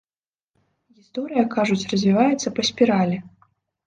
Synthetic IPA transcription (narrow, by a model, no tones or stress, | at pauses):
ɣʲist̪ɔɾɨjɐkaʐut͡sʲrɐzʲvʲivajɛt̪sɐpɐsʲpʲiɾalʲɛ